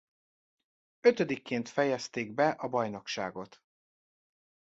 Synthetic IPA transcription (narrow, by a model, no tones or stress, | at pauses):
øt̪ød̪ikːeːnt̪fɛjɛst̪eːɡ̚bɛʔɒbɒjno̞kʃa̰ːɡo̞t̪